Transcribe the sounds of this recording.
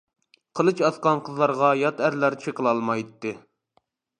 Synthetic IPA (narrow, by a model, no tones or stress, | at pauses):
qʰəlˠɨt͡ʃɑsqɑnqʰəzlˠɑɾʁɑjɑt̪æɾlæɾt͡ʃt͡ʃʰeqʰəlˠɑlˠmɑjt̪ːɨ